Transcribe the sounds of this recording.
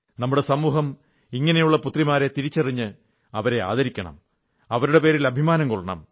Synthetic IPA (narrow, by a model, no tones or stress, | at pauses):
nɐmːuɽe̞sɐmːuːɦɐm | iŋːɐnejuɭːɐput̪rimaːɾet̪iɾit͡ɕːɐriɲːɨ | ɐʋɐɾe̞a̰ːðɐɾikʲːɐɳɐ̰m | ɐʋɐɾuɽe̞pe̞ːɾilɐbʱimaːnɐŋkoɭːɐɳɐ̰m